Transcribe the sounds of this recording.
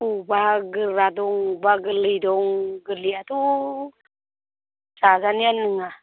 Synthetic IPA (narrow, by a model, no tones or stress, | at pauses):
obaɡəɾadoŋbaɡəlijdoŋɡəliatu | sazanijanəŋa